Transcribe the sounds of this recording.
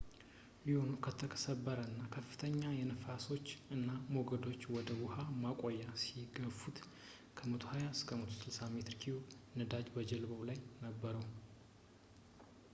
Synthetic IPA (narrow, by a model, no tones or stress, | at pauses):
liho̞nukʰət̪ʰəkʰə̥səbːəɾəɨnːakʰəfːɨ̥t̪ʰəɲːajɛnəfaso̞t͡ʃːɨnːamo̞ɡəd̪o̞t͡ʃːwɔd̪əwʊhamakʼojːasiɡəfut̪ | kʰəmət̪ʰohajaskʰəmət̪ʰo̥sɨlsamet̪ɾkʰiunɨd̪ad͡ʒbəd͡ʒəlbəwlajnəbːəɾəw